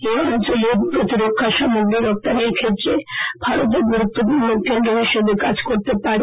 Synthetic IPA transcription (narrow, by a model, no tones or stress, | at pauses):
loant͡ɕoleɾpɾot̪iɾokʰːaʃamoɡɾiɾɔk̚t̪aneɾkʰet̪ːɾeb̥ʱaɾot̪̬eɾɡuɾut̪ːopumokʰːend̪ɾoɦiʃob̪ʱekad͡ʑkoɾt̪epaɾe